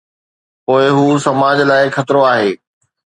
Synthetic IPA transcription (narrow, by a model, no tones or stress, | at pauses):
poːɪɦuːsɐmaːd͡ʑlaːɪxɐt̪ɾoaːɦeː